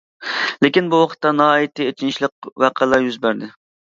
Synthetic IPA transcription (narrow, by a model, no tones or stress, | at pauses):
lekʲinbuwɑqʰə̥t̪ːɑnɑɦɑːjit̪ʰɨet͡ʃʰinʃlˠəq̚wɑqʰælˠɑɾjyzbæɾd̪ɪ